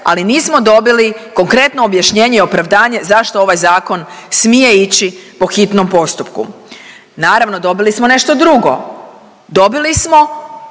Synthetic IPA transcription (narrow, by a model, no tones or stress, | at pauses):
a̰liniːsmo̞d̪o̞biliko̞ŋkɾe̞t̪noːbjaʃɲe̞ːɲeio̞pɾaʋd̪aːɲe̞zaʃt̪o̞o̞ʋajzaːko̞nsmije̞it͡ɕipo̞xit̪no̞mpo̞st̪upkṵ | naːɾaʋno̞d̪o̞bilismone̞ʃt̪o̞d̪ɾuɡo̞̰ | d̪o̞bilismo̞